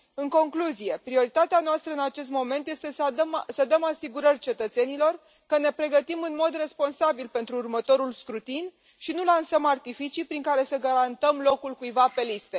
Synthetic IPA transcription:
ɨŋko̞ŋkluzije̞pɾio̞ɾit̪at̪eanoast̪ɾəɨnat͡ʃe̞s̬t̪mo̞me̞nt̪je̞st̪e̞smsəd̪əmasiɡuɾərʲt͡ʃe̞t̪ət̪se̞nilo̞r | kəne̞pɾe̞ɡət̪imɨnmo̞d̪re̞spo̞nsabilpe̞nt̪ɾuːrmət̪o̞ɾulskɾut̪in | ʃinulansəmart̪ifit͡ʃipɾiŋkaɾe̞səɡaɾant̪əmlo̞kulkujvape̞list̪e̞

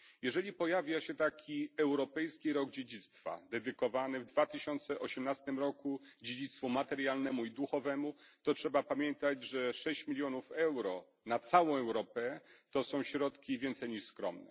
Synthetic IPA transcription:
jɛʐɛlʲipɔjavʲjaɕɛt̪akʲiɛwɾɔpɛjskʲiɾɔɡd͡ʑed͡ʑit̪st̪fa̰d̪ɛd̪ɘkɔvanɘvd̪vat̪ɘɕɔnt̪sɛʔɔɕɛmnast̪ɘmɾɔkud͡ʑed͡ʑit̪st̪fumat̪ɛɾjalnɛmuid̪uxɔvɛmut̪ɔtʂɛbapamʲjɛnt̪ad͡ʑʐɛʂɛɕt͡ɕmʲilʲjɔnufɛwɾɔ | nat̪sawɔ̃w̃ɛwɾɔpɛt̪ɔsɔ̃w̃ɕɾɔt̪kʲivʲjɛnt̪sɛjɲiʂskɾɔmnɛ̰

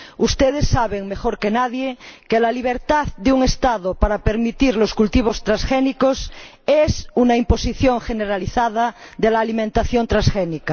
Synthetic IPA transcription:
ust̪eð̞esːaβeŋmexoɾkenaðjekelaliβ̞eɾt̪aðd̪euŋest̪aðopaɾapeɾmit̪iɾloskult̪iβ̞ost̪ɾasxenikos | esunaimposiθjoŋʝeneɾaliθaðaðelaːlimẽnt̪aθjont̪ɾãsxenika

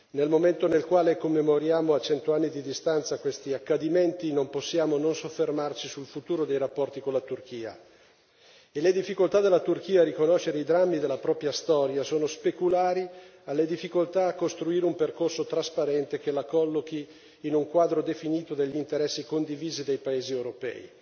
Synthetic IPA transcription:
nelmoment̪onelkwaːlekomːemoɾjaːmoat͡ʃɛnt̪oanːid̪id̪ist̪ant̪sakwest̪iakːad̪iment̪inomposːjaːmononsofːermart͡ʃisulfut̪uːɾod̪ejrapːɔrt̪ikolat̪urk̟iːa̰ | eled̪ifːikolt̪ad̪elːat̪urkiːaɾikonoʃːeɾeid̪ɾamːid̪elːapɾɔːpɾjast̪ɔːɾjasoːnospekulaːɾialːed̪ifːikolt̪aːkːost̪ɾuiːɾeumperkorsot̪ɾaspaɾɛnt̪ekelakɔlːokiː | nuŋkwaːd̪ɾod̪efiniːt̪od̪eʎːint̪eɾɛsːikond̪iviːzid̪ejpaeːziewɾopɛ̰ːḭ

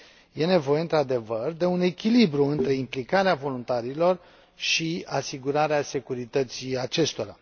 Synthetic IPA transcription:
je̞ne̞vo̞je̞ɨnt̪ɾad̪e̞vərd̪e̞une̞kʲilibɾuɨnt̪ɾe̞implikaɾeavo̞lunt̪aɾilo̞r | ʃiasiɡuɾaɾease̞kuɾit̪ət̪siat͡ʃe̞st̪o̞ɾa

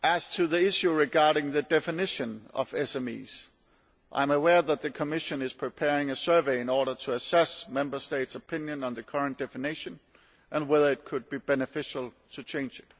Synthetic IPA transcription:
ʔæz̥tʰɨðiɪʃʉɹɨɡɑɹɾɪ̃ŋðɨdɛfɨnɪʃɨ̃nʌ̰vɛsɛmḭz̥ | ʔã̰ɪ̃məwɛɹðət̪̚ðɨkʰəmɪʃɨ̃nɨz̥pʰɹ̥ɨpʰɛɹɪ̃ŋɨsɜ˞veɪɨ̃nɔɹɾə˞ɾʰəːsɛsmɛ̃mbə˞steɪtsəpʰɪ̃njɨ̃nə̃nðɨkʰʌ˞ɨ̃nd̥ɛfɨnɪʃɨ̃n | ʔɨ̃nwɛðə˞ɨt̚kʰɨd̚bibɛnɨfɪʃl̩ˠtʰɨt͡ʃʰẽɪ̃nd͡ʒɨt̚

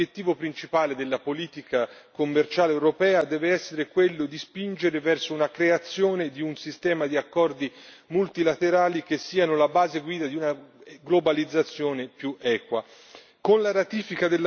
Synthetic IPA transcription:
jet̪ːiːvopɾint͡ʃipaːled̪elːapoliːt̪ikakomːert͡ʃaːlewɾopɛːad̪ɛːveɛsːeɾekwelːod̪ispind͡ʒeɾevɛrsounakɾeat̪sːjoːned̪iunsist̪ɛːmad̪iakːɔrd̪i | mult̪ilat̪eɾaːlik̟esːiːanolabaːzeɡwiːd̪ad̪iunaɡlobalid̪zːat̪sːjoːnepjuʔɛːkwa | konlaɾat̪iːfikad̪elː

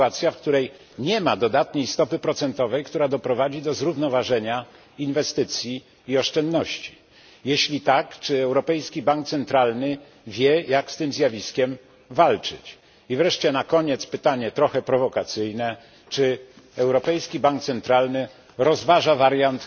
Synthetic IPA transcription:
at̪sʲjafk̚t̪uɾɛj | ɲɛmad̪ɔd̪at̪ɲejst̪ɔpɘpɾɔt̪sɛnt̪ɔvɛjkt̪uɾad̪ɔpɾɔvad͡ʑid̪ɔzɾuvnɔvaʐɛɲa | invɛst̪ɘt̪sʲjiː | ɔʂt͡ʂɛnd̪nɔɕt͡ɕi̥ | jeɕlʲit̪akt͡ʂɘɛwɾɔpɛjskʲibaŋkt̪sɛnt̪ɾalnɘ | vʲjɛjakst̪ɘmzʲjavʲiskʲɛm | valt͡ʂɘ̰t͡ɕ | ivɾɛʂt͡ɕɛnakɔɲɛt̪spɘt̪aɲɛt̪ɾɔxɛpɾɔvɔkat̪sɘjnɛ | t͡ʂɘ | ɛwɾɔpɛjskʲibaŋk̚t̪sɛnt̪ɾalnɘ | ɾɔzvaʐavaɾjant̪

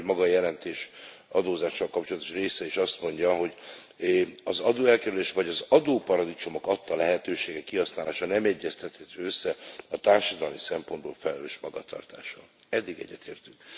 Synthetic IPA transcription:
mɒɡɒjɛlɛnt̪eːʃ | ɒd̪oːzaːʃːɒlkɒp̚t͡ʃo̞lɒt̪o̥ʃreːsɛeːʃɒst̪mo̞ɲɟɒɦo̞ɟ | ɒzɒd̪oːɛlkɛɾyleːʃʋɒɟɒzɒd̪oːpɒɾɒd̪it͡ʃo̞mo̞kɒt̪ːɒlɛɦɛt̪øːʃeːɡɛkːiɦɒsnaːlaːʃɒnɛmɛɟːɛst̪ɛt̪hɛt̪ːøsːɛɒt̪aːrʃɒd̪ɒlmisɛmpo̞nboːlfɛlɛløːʃmɒɡɒt̪ʰɒ̰rt̪aːʃɒ̰ | ɛd̪ːiɡɛ̰ɟːɛt̪ʰḛːrt̪yk

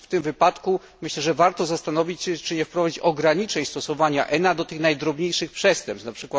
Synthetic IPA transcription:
ft̪ɘmvɘpat̪ku | mɘɕlɛʐɛvaɾt̪ɔzast̪anɔvʲit͡ɕɕɛt͡ʂɘɲɛfpɾɔvad͡ʑit͡ɕɔɡɾaɲit͡ʂɛɲst̪ɔsɔvaɲa̰ʔɛnad̪ɔt̪ɘxnajd̪ɾɔbɲejʂɘxpʂɛst̪ɛmpsapʂɘkwat̪

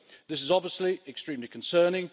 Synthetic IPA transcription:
ðɪsɪzɒbviəsliɛkstɹ̥ĩːmlikʰə̃nsɜːnɪ̃ŋ

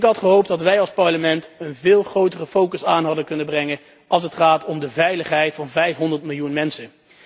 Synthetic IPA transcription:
ɪkɦɑtχəɦowp̚dɑtʋɛjɑlˠspɑɹləmɛntənvɪːlˠχrowtərəfowkəsaːnɦɑdəkɵnəbrɛŋən | ɑlˠs̬ətχaːtʰɔmdəvɛjləχɦɛjtfɑnvɛjfɦɔndəɹtmɪlˠjunmɛnsən

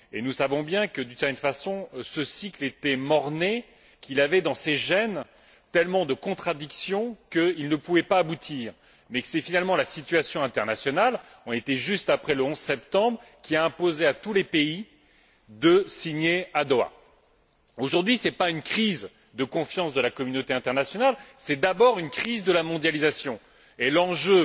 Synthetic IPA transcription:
enusavɔ̃bjɛ̃kəd̪ynsɛʁt̪ɛnfasɔ̃səsiklet̪ɛmɔʁne | kʲilavɛd̪ɑ̃seʒɛn | t̪ɛlmɑ̃d̪əkɔ̃t̪χad̪iksjɔ̃kəilnəpuvɛpaːbut̪ʰiːʁ | mɛksɛfinalmɑ̃lasit̪ɥasjɔ̃ɛ̃t̪ɛʁnasjɔnal | ɔ̃et̪ɛʒyst̪apχɛləɔ̃zsɛpt̪ɑ̃bʁ | kʲiaɛ̃pozeat̪ulepei | d̪əsiɲead̪oa̰ | oʒuʁd̪ɥisɛpaynkχiz | d̪əkɔ̃fjɑ̃sd̪əlakɔmynot̪eɛ̃t̪ɛʁnasjɔnalsɛd̪abɔʁynkχizd̪əlamɔ̃d̪jalizasjɔ̃ | elɑ̃ʒø

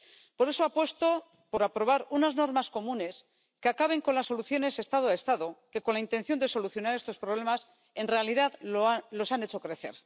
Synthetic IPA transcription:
po̞ɾe̞so̞apwe̞st̪o̞ | po̞ɾapɾo̞β̞aɾunazno̞ɾmasko̞mũne̞s | keakaβe̞ŋko̞nlasːo̞luθjo̞ne̞se̞st̪að̞oest̪aðo̞ke̞ko̞nlaint̪e̞nθjo̞nd̪eso̞luθjo̞naɾe̞st̪o̞spɾo̞β̞le̞mas | e̞nre̞aliðaðlo̞sane̞t͡ʃo̞kɾe̞θe̞̰ɾ

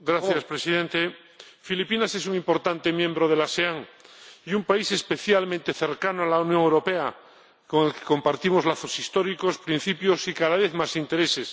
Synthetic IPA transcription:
ɡɾaθjaspɾesiðẽnt̪e | filipinase̞suŋĩmpo̞ɾt̪ant̪e̞mjẽ̞mbɾoð̞e̞laseaŋiumpaise̞spe̞θjalmẽnt̪e̞θeɾkanoalaunjõŋewɾo̞pea | ko̞ŋe̞lke̥ko̞mpaɾt̪imozlaθo̞sist̪oɾikospɾĩn̟θipjosikaðaβeθmasint̪e̞ɾese̞s

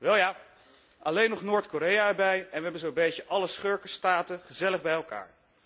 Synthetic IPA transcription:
ʋɛlˠjaː | ʔɑlejnɔχnoːɹtkoɾejaɛɹbɛjɛnʋəɦɛbənzowbejcəʔɑləsχøɹkəstaːtəχəzɛləχbɛjɛlˠka̰ːɹ

